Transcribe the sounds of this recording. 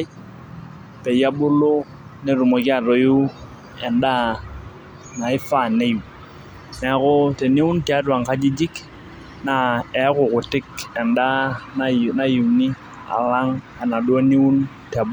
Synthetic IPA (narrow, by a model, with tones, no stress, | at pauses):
pɛ˨ja˦bʊ˦lo˦ | ne˨ru˨mo˨ki˦a˨ro˨ju˦ | ɛ˨nda˦ | na˨ɪ˦fa˨ne˦ju˨ | nɛ˨˦kʊ˦te˨ni˦ʊ˦nti˨a˦twa˨ŋka˦d͡ʒi˦d͡ʒɪ˦k | na˨ɛ˨˦kʊ˨kʊ˨tɪ˦kɛ˨nda˦na˨na˦ji˨ni˦ | a̰˨la˦ŋ | a˨na˨dwo˦ni˦u˦n | ta˨b